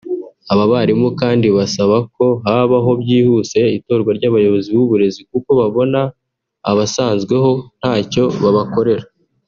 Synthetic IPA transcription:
aβaβaɾimukaːndiβasaβako̞ɦaːβaɦo̞bɟiːhuse̞ito̞ːɾɡwaɾɟaːβajo̞βo̞ziβwuβuɾe̞zik̚uko̞βaβo̞na̰ː | βasaːnzɡwe̞ɦo̞n̥haːco̞βaβako̞ɾe̞ɾa

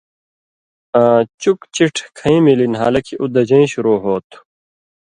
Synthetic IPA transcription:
aːt͡ɕukt͡ɕiʈʰkʰɐĩːmilinɦa̰ːlɐkʰiʔud̪ɐd͡ʑɐĩɕuɾoːɦoːt̪ʰ

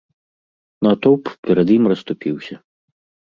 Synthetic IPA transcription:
nɐt̪ɔwppʲɛɾɐd̪jimrɐst̪upʲiwsʲɐ

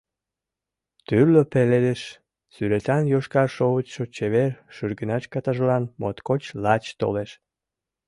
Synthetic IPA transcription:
t̪yrløpeled̪eʃ | syɾet̪ɑnjoʃkɑrʃoβət͡ɕʃot͡ɕeβerʃyrɡənɑʃkɑt̪ɑʒlɑnmo̰t̪kot͡ɕlɑt͡ɕt̪o̰leʃ

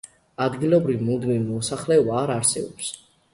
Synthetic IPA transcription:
ad̪ɡilˠɔbɾivmud̪minimɔsaχlɛɔbaːɾaɾsɛbɔ̰ps

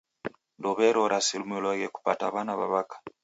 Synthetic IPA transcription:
ndoβeɾoɾʔasilumilaɣeku̥pataβanaβa̰βakḁ

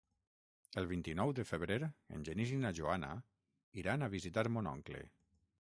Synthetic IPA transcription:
əlˠβint̪inɔwðəfəβɾeɾḛnʲʒənizinaʒoana̰ | iɾanaβ̞izit̪aɾmonɔ̰ŋklḛ

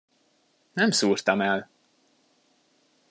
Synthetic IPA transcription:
nɛmsuːrt̪ɒmɛl

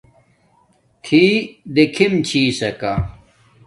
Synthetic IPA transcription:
t̪ʰiːd̪ekʰimt͡ɕʰiːsɐka

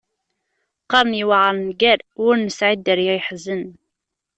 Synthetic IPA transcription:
qɑɾˤnjəwʕəɾˤnɡæɾʊɾnəsʕid̪əɾjæjħəzən

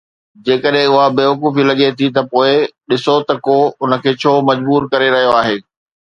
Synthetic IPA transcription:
d͡ʑeːkəɗɦɪ̃ʊɦabeːʋɐkuːfilɐɠet̪ʰit̪ɐpoːɪɗɪsot̪ɐkoʊnə̆kʰeːt͡ɕʰoːmɐd͡ʑbuːɾkɐɾeɾɐɦijoaːɦeː

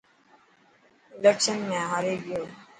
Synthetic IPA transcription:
ɪlekʃənmẽːɦaːɾeːɡɪjoː

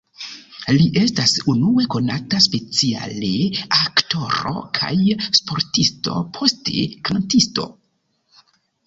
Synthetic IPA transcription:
liʔe̞stasunue̞ko̞nataspe̞t͡sia̰leakto̞ɾo̞̰kʰa̰jspo̞ɾtisto̞̰pʰo̞ste̞̰kʰantisto̞̰

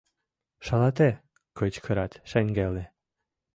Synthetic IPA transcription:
ʃɑlɑt̪e | kɤt͡ɕkʰəɾɑt̪ʃeŋɡele

